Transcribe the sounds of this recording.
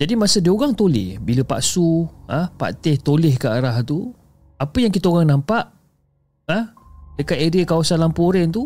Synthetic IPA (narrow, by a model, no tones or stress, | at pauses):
d͡ʒadimasədiəoɣaŋt̪olɪ̰hbiləpa̰ʔsuəhpa̰t̪ɪht̪olɪhkəaɾaht̪u | apəjaŋkit̪aoɣaŋnampaʔ | əhdəkat̪̚eɾiakawasanlampoɾɛnt̪u